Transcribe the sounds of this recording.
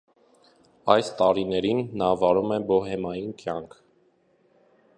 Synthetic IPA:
ɑjst̪ɑɾinɛɾinːɑvɑɾumɛbɔɦɛmɑjinkjɑŋkʰ

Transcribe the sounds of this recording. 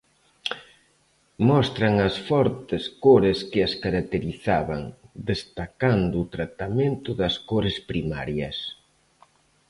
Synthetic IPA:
mɔst̪ɾɐŋɐsfɔɾt̪ɪskoɾeskɪɐskaɾak̚t̪eɾiθaβɐ̰ŋd̪est̪akand̪ʊːt̪ɾat̪amẽnt̪ʊðɐskoɾɪspɾima̰ɾjɐs

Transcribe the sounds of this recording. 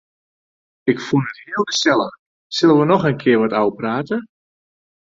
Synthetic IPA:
ɪkfunəthɪəlˠɡəsɛlˠəx | sɪlˠənʋənɔxənkʰɪərʋɔtawpraːtə

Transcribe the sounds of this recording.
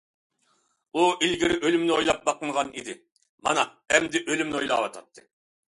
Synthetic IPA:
uilɡʲiɾɪʔølymnɪojlˠɑp̚bɑqəmʁɑnid̪ɪ | mɑ̰nɑ | ɛmd̪ɪʔølymnɪojlˠɑ̰wɑt̪ʰɑt̪ʰːɨ

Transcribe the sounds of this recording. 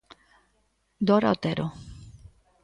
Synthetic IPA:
d̪oɾa̰ot̪eɾo

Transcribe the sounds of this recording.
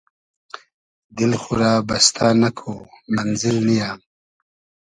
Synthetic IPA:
d̪ilxuɾaːba̰st̪ʰaːnakʰomanzɪɾnijaː

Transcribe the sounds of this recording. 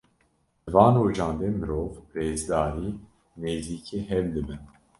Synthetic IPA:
ɨvɑːnɾoːd͡ʒɑːnd̪eːmɨɾoːvreːzd̪aːɾiː | neːziːkʰeːɦɛvd̪ɨbɨn

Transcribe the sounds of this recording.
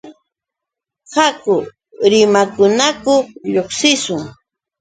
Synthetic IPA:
hakʊ | ɾɪmakʊnakʊʎoχsɪsʊŋ

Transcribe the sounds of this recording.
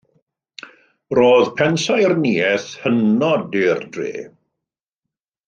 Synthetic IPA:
roːðpʰɛnsajrniɛθhənɔdɪrdrḛː

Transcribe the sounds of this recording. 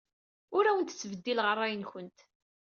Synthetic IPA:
ʊɾæwənt̪t͡sːvəd̪ːilʁəɾˤːæjənçʊnt̪

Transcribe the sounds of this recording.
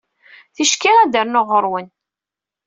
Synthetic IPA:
θiʃkiʁæd̪əɾnoʁəɾˤwən

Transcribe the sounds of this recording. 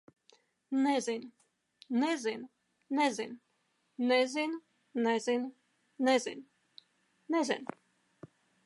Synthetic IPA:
nɛzin | nɛzin | nɛzin | nɛzin | nɛzin | nɛzʲɪ̰n | nɛzʲɪ̰n

